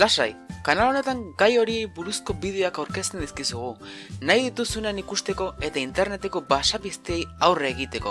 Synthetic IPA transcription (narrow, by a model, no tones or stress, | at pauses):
lasa̰jkanalo̞ne̞t̪aŋɡajo̞ɾie̞jbuɾusko̞bið̞e̞oakawɾke̞st̪e̞nd̪iskisuɣunajðit̪usunenikust̪e̞ko̞e̞t̪aint̪e̞ɾne̞t̪e̞ko̞basaβist̪eejawreːɣit̪e̞ko̞̰